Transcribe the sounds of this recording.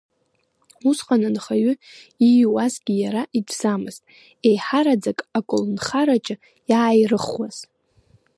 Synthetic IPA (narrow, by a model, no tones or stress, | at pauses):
usqʼanɨnχaɥʏiwazɡʲijaɾaʔidz̥amɨztʼ | ejħaɾad͡zakʼakʼʊlnχaɾat͡ʃʼɪ | jaːjrɨχwaz̥